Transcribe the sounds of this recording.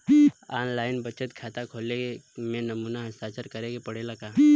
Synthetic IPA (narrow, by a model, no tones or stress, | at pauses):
aːnlaːɪnbət͡ʃət̪kʰaːt̪akʰoːlemẽnɐmuːnaɦəst̪aːt͡ʃəɾkəɾeɡepəɽelɐɡaː